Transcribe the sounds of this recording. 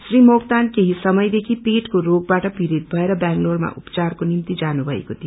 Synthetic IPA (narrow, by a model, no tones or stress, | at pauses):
srimokt̪ankeɦisʌmʌjd̪ekʰipeʈkoɾoɡbaʈʌpiɾit̪̚bʱʌeɾʌbjaŋkloɽma̰ʔṵpt͡sarkonimt̪id͡zanubʱʌḛkot̪ʰio